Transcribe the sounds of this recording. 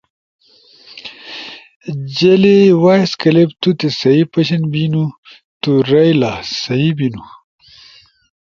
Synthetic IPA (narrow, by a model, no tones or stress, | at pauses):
d͡ʑelewajskɐlebt̪ut̪esɐipɐɕɐnbinu | t̪uɾɐjlasɐibinu